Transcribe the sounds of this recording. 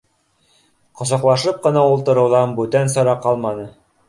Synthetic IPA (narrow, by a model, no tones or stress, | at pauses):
qŏs̬ɑ̆qlˠɑʃɤp̚qɤ̆nɑulˠt̪ɤ̆ɾɤ̆wðɑnbʉt̪ænsɤ̆ɾɑqɑlˠmɑnɤ